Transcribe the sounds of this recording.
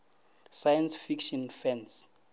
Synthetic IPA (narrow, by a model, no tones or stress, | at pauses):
sajansfikʃɔnfɛns